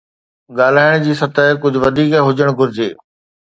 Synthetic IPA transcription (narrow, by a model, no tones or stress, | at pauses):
ɠaːl̤aːɪɽ̃d͡ʑiːsɐt̪əːkʊd͡ʑʱʊ̆ʋɐd̪ʱiːkɦʊd͡ʑəɽ̃ɡʱʊɾɪd͡ʑeː